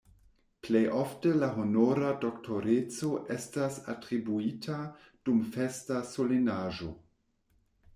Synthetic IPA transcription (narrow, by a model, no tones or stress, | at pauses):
plejʔoftelaɦonoɾadoktoɾet͡soʔestasa̰tɾibuitʰa | d̥umfestasolenaːʒo̞